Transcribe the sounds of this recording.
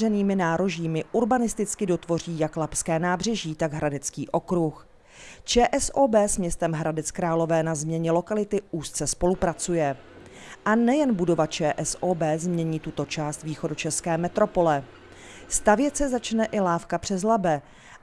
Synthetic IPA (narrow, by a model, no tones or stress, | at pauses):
rɛniːmɪnaːɾo̞ʒiːmɪʔuɾbanɪst̪ɪt͡skɪdo̞t̪vo̞r̝iːjaklapskɛːnaːbr̝ɛʒiːt̪aɡɦɾʔadɛt͡skiːʔo̞kɾux | t͡ʃɛːʔɛsʔoːbɛːsmɲɛst̪ɛmɦɾadɛt͡skɾaːlo̞vɛːnazmɲɛɲɛlo̞kalɪt̪ɪʔuːst̪t͡sɛspo̞lupɾat͡sujɛ | ʔanɛjɛnbudo̞vat͡ʃɛːʔɛsʔoːbɛːzmɲɛɲiːt̪ut̪o̞t͡ʃaːst̪viːxo̞dut͡ʃɛskɛːmɛt̪ɾo̞po̞lɛ | st̪avjɛt̪t͡sɛzat͡ʃnɛʔɪlaːfkapr̝̥ɛzlabɛ